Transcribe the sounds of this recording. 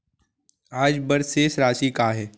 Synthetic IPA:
aːd͡ʒbɐɾsesɾaːʃikaɦɛː

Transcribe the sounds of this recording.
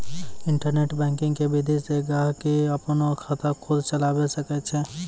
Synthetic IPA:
ɪɳʈəɾneʈbɛ̃ŋkɪ̃ŋɡkebid̪ʱist̪eɡaɦkiəpnokʰət̪əkʰʊd̪ʱt͡ʃəlaːbesəkɛt͡ʃʰɛ

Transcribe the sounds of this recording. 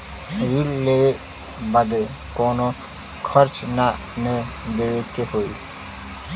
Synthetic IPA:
ɾilːe | bəd̪ | koːno | kʰəɾt͡ʃna | ne | d̪eːekeɦoːi

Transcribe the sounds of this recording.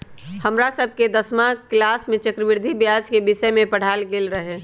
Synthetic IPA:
həmɾasəb̚ʱked̪əsmãklaːsmẽt͡ʃəkɾəʋɪɾd̪ʱibjaːd͡ʒkebɪsəmẽpəɽ̤aːlɡeːlɾəɦẽː

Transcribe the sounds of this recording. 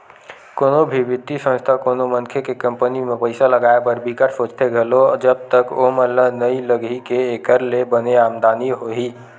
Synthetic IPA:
koːnobʱibɪd̪ʱːisə̃nst̪ʰakonomənkʰekekəmpənimepəɪsaləɡaepəɾbikəʈsod͡ʒt̪ʰeɡʱelod͡ʒəb̚t̪əkoməlːənəiləɡʱikeːkəɾlebəneaːmd̪aniɦoɦi

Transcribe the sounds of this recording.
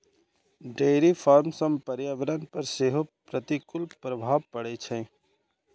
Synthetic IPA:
ɖeːɾifʰaːɾmsəmpəɾjaʋəɾənpəɾseːɦopɾət̪ikʊlpɾəbʱaːʋpəɽet͡ʃʰɛ̃

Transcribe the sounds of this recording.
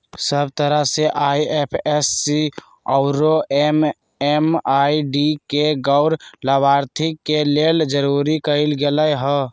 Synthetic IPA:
səbt̪əɾəseʔaiepʰesːi | ɔʊɾoem | emaiɖikeɡəʊɾləbaːɾt̪ʰikːeleld͡ʒəɾuɾikəɪlɡeləjɦə̃

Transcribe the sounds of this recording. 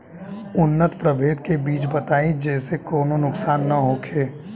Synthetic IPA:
ʊnːət̪pɾəbʱeːd̪̚kebiːt͡ʃbət̪aːid͡ʒɛːsekɔːnonʊksaːnːɐɦoːkʰeː

